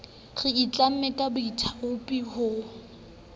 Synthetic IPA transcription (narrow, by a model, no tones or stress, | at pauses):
ɣɪit͡ɬʼam̩mɛkʼabʊitʰaʊpʼihʊ